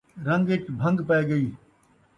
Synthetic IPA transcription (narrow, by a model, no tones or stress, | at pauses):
ɾɐ̃ŋɡɪʈbʱɐ̃ŋɡpɐeɡɐiː